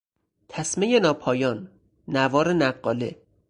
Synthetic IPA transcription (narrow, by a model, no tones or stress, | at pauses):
t̪ʰæsmejenɒːpʰɒːjɒːnː | ævɒːɾenæɢːɒːlḛ